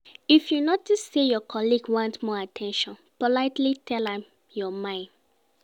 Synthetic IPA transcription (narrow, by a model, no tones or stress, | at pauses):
ifjunɔtəssejɔkʰɔliɡwãntmɔatʰɛ̃nʃɔ̃npɔlaɪtlitʰɛlãm | jɔmãɪ̃nd